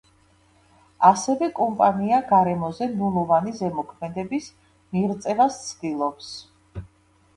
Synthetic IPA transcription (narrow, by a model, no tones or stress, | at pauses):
asɛvɛkʼɔmpʼaniaɡaɾɛmɔzɛmulˠɔvanizɛmɔkʰmɛd̪ɛbis | miɾt̪sʼɛvast̪sʰd̪ilˠɔps